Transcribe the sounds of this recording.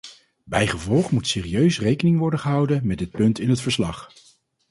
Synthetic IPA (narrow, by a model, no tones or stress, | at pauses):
bɛjχəvɔlˠχmutseːriøɥsrejkənɪŋʋɔɹdəχəɦɑwdənmɛdɪt̚pɵntɪnɦətfəɹslɑχ